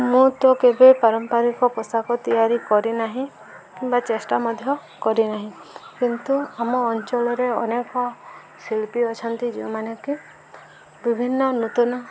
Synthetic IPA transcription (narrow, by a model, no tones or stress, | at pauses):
mũt̪ɔkebepaɾɔmpaɾikɔkɔsakɔt̪ijaɾikɔɾinaɦĩ | kimbat͡ʃesʈamɔd̪ʱjɔ | kɔɾinaɦĩkint̪uamɔːnt͡ʃɔɭɔɾeɔnekɔ | siɭpiɔt͡ʃʰɔnt̪id͡ʒḭmaneki | bibʱinːɔnut̪unɔ